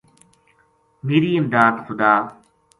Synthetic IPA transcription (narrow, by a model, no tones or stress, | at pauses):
miːɾiːɪmd̪aːd̪xʊd̪aː